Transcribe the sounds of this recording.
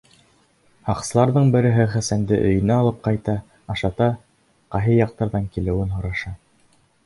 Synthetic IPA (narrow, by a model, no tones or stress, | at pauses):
hɑqsɤ̆lˠɑɾðɤɴbɘ̆ɾɘ̆ɦɘχæsænd̪ɘʔɵ̆jɵ̆næːlˠɤp̚qɑjt̪ɑ | ɑʃɑt̪ɑ | qɑɦɤjɑq̚t̪ɑɾðɑŋkilɘ̆wɘnɦŏɾɑʃɑ